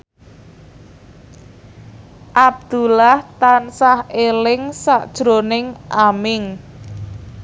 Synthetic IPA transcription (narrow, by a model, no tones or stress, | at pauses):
ʔab̚d̪̥ulaht̪ansahelɪŋsaʔd̥ʒ̥ɾonɪŋʔamɪŋ